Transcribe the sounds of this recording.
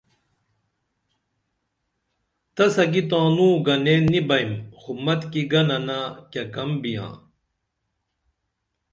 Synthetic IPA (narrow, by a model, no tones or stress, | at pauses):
t̪ɐsɐɡit̪ãːnũːɡɐneːnibɐimxumɐt̪kiɡɐnɐnakɐkɐmbijã̰ː